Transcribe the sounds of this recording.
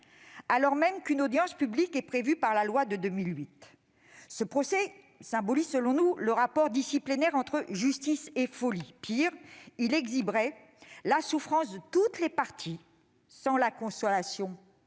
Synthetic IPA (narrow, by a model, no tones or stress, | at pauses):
alɔʁmɛmkynod̪jɑ̃spyblikɛpχevypaʁlalwad̪əd̪ømilɥit̪ | səpχɔsɛ | sɛ̃bɔlizsəlɔ̃nuləʁapɔʁd̪isiplenɛʁɑ̃t̪χəʒyst̪isefɔlipiʁilɛɡzibʁɛ | lasufχɑ̃sd̪ət̪ut̪lepaʁt̪ʰi | sɑ̃lakɔ̃sɔlasjɔ̃